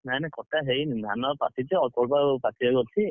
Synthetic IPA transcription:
najnɛkɔtaɦeinna̰nɔpa̰tʰitɛɔkɔlbapatʰiɔɡɔtʰi

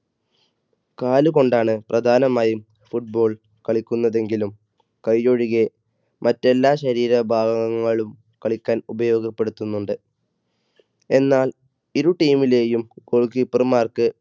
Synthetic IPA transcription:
kaːluko̞ɳɖaːɳɨprɐd̪ʱaːnɐmaːjum | fuʈ̚bo̞ːɭ | kɐɭikʲːunːɐðe̞ŋɡilum | kɐjːoɻiɣe̞ | mʔɐtːe̞lːaːɕɐɾiːɾɐbʱaːɡɐɣɐŋːɐɭum | kɐɭikʲːaːnubɐjo̞ːɡɐpːe̞ɽut̪ːunːuɳɖɨ | e̞nːaːl | iɾuʈːiːmile̞ːjumkoɭkipːɐrmaːrkɨ

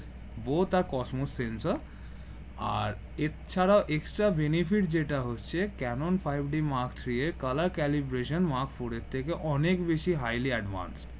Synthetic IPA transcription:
bot̪aɾkɔsmosːensaɾ | a̰ɾ | et͡ɕʰaɾaoʔeksʈɾabenifiʈ̚d͡ʑeʈaɦotːɕʰekɛnonfʰajbɖimaɾkʰt̪ʰɾieɾkalaɾkɛlibɾeʃonmaɾkfoɽet̪ʰːekeʔɔnekbeʃiɦajliɛɖʋa̰nsʈ

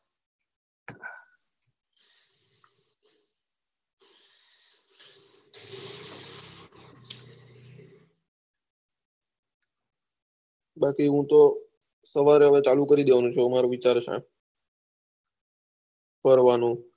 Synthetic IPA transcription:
ɓakiɦũt̪o | səʋaɾeɦəʋet͡ʃalukəɾid̪eʋanũt͡ʃʰomaɾoʋɪt͡ʃaɾt͡ʃʰɛ̰̃ | pəɾʋanũ

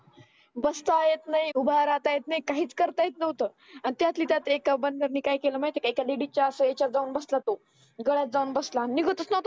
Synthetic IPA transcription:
bəst̪ajet̪naiubʱaɾat̪ajet̪naikaɦiːt͡skəɾt̪ajet̪nəʋt̪əː | añit̪jat̪liːt̪jat̪ekabənɡəɾniːkajkeləmait̪ekekaliɽit͡ɕjaəsəet͡ɕad͡zaunbəslat̪o | ɡəɭjat̪̚d͡zaunbəslanniɡʱət̪ət͡snəwt̪o

